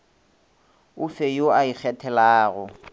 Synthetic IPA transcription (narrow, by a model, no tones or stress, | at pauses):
ʊfejoaik͡xʰɛtʰɛlaːɣʊ